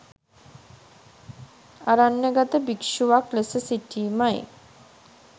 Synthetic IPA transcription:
aɾanːəɡat̪əbikʃuʋaklesəsiʈiːmaj

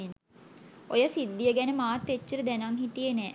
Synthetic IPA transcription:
n | ojəsid̪ːijəɡænəmaːt̪ːet͡ʃːəɾəd̪ænaŋɦit̪ijənɛː

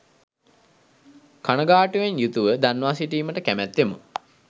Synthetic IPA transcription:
kanəɡaːʈuʋenjut̪uʋəd̪anʋaːsiʈiːməʈəkæmæt̪ʋemṵ

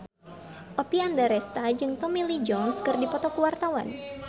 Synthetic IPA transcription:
ʔopiandaɾɛst̪ad͡ʒɨŋt̪ɔmilid͡ʒɔnskɨrdipɔt̪ɔkuwart̪awa̰n

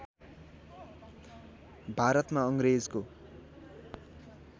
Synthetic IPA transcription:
bʱaɾʌt̪maʌŋɡɾed͡zko

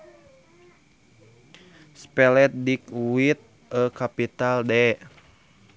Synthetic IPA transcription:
spɛlɛt̪̚dikwit̪̚ | əkapit̪aldɛ

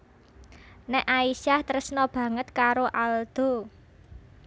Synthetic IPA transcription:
nɛʔaisaht̪əɾəsnɔb̥ä̤ŋət̪̚kaɾoʔald̪̥o̤

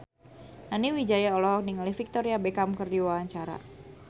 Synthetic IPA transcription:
naniwid͡ʒajaɔlɔkniŋalifik̚t̪ɔɾiabɛkamkərdiwawaɲt͡ʃaɾa̰

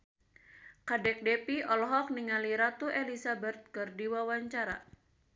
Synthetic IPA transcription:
kadɛk̚dɛpiʔɔlɦɔk̚niŋaliɾat̪uʔɛlisabɛt̪̚kərdiwawaɲt͡ʃaɾa̰

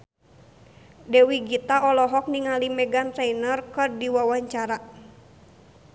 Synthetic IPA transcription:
dɛwiɡit̪aɔlɔɦɔk̚niŋalimɛɡant̪ɾɛinɔrkɔrdiwawaɲt͡ʃaɾa

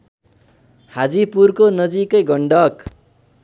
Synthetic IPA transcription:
had͡zipurkonʌd͡zikʌjɡʌɳɖʌk

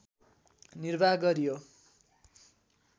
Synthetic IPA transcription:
nirbʱaɦɡʌɾijo

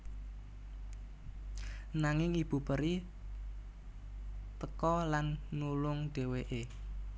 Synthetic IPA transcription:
naŋɪŋib̥ṳpəɾi | t̪əkɔlanːulʊŋɖ̥e̤weʔe

